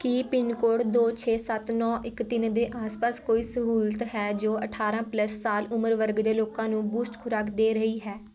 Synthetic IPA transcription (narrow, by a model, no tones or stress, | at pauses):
kipɪnkoːɽd̪oːt͡ʃʰeːsət̪nɔ̃ːʔɪkt̪ɪnd̪eːʔaːspaːskoːiːsəɦuːlt̪ɦɛːd͡ʒoːʔəʈʰaːɾãːpləsːaːlʊməɾʋəɾɡd̪eːloːkãːnũːbuːsʈkʰʊɾaːkd̪eːɾəɦiːɦɛː